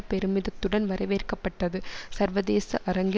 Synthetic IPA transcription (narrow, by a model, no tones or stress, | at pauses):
pɛɾɯmɪðɐt̪ːɯɽɐnʋɐɾɐʋeːrkɐpːɐʈːɐðɯsɐɾʋɐðeːsɐʔɐɾɐŋɡɪ